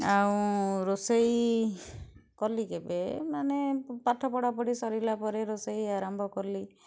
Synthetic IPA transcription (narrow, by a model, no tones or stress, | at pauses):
aũɾosej | kɔɾlikebemanepaʈʰɔpɔɽapɔɽisɔɾilapɔɾeɾosejaɾambʱɔkɔɾli